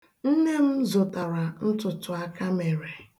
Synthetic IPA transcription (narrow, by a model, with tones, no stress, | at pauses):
n̩˦ne˦m̩˦zʊ˨ta˨ɾa˨n̩˦tʊ˨tʊ˨a˦ka˦me˨ɾe˨